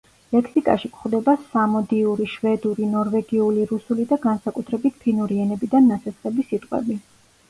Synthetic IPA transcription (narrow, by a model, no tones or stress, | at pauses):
lɛkʰsikʼa̰ʃikʰχd̪ɛbasamɔd̪iuɾiʃvɛd̪uɾinɔɾvɛɡiuliɾusulid̪aɡansakʼut̪ʰɾɛbit̪ʰpʰinuɾiɛnɛbid̪anːat̪sʰɛsχʼɛbisit̪ʼqʼwɛ̰bi